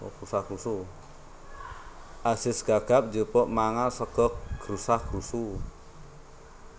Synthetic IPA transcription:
ɔ̰kɾusahɡ̥ɾusu | ʔasɪsɡ̥aɡ̥ap̚d͡ʒipɔʔmaŋasəɡ̥ɔɡ̥ɾusahɡ̥ɾusu

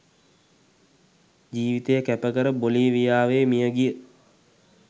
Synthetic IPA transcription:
d͡ʒiːʋit̪ejəkæpəkəɾəboliʋijaːʋeːmijəɡijə

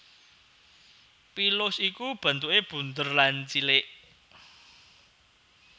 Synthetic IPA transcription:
pilʊsikub̥a̤nt̪uʔeb̥ṳnd̪ərlant͡ʃileʔ

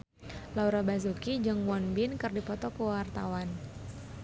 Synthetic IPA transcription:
lauɾabazukid͡ʒɨŋmwɔnbinkɨrdipɔt̪ɔkəwart̪a̰wan

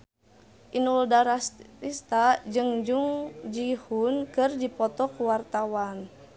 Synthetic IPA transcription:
ʔinuldaɾasist̪ad͡ʒɨŋd͡ʒuŋd͡ʒihunkɨrdipɔt̪ɔkuwart̪awan

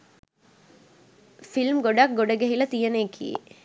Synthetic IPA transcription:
filmɡoɖak̚ɡoɖɐɡɐɦilɐt̪ijɐneːkʰːḭḛ

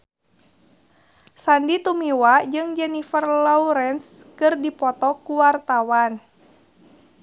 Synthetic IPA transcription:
sandit̪umiwad͡ʒɨŋd͡ʒɛnifərlɔuɾɛns | kɨrdipɔt̪ɔkuwart̪awan

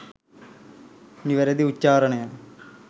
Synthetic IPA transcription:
niʋɐɾɐd̪iut͡ɕːaːɾɐɳɐjan

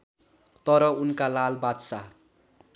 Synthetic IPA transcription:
t̪ʌɾʌunkalalbad̪sa

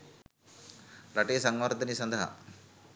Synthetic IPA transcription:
ɾɐʈiːsɐŋʋɐɾd̪ɐnisɐnd̪ʱɐɦɐ̰

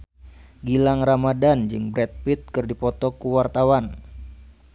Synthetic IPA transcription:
ɡilaŋramadand͡ʒɨŋbɾɛt̪̚pit̪̚kɨrdipɔt̪ɔkuwart̪awan

